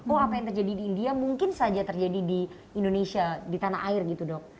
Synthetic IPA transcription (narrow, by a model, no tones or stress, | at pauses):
ɔapajaŋt̪ərd͡ʒadidiːndiamuŋkɪnsad͡ʒat̪ərd͡ʒadidi | indonesiadit̪ana̰ɦʔaɪrɡit̪udɔk̚